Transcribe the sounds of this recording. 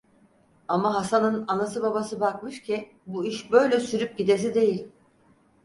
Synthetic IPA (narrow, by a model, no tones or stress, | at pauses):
amaɦasanɯnanasɯbabasɯbakmɯʃcʰi | buiʃbø̞jlʲɛsyɾyp̚ɟid̪es̬id̪e̞jilʲ